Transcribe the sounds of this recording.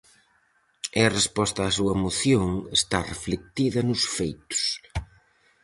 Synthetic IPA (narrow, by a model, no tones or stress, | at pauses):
ɛɐrespɔst̪ɐaːsuɐmoθjoŋest̪areflek̚t̪iðɐnʊsfejt̪ʊ̥s